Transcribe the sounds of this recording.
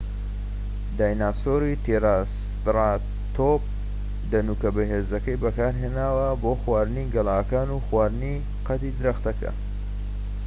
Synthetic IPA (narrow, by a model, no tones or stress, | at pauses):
d̪aːjnaːsoːɾit̪ʰeɾas | t̪ɾa | t̪op̚ | d̪ɐnuːkɐbɐɦeːzɐkɐjbɐkaːɾɦeːnaːwɐboːxwaːɾɨniɡɐlaːkaːnuːxwaːɾɨni | qɐt̪id̪ɨɾɐxt̪ɐkɐ̰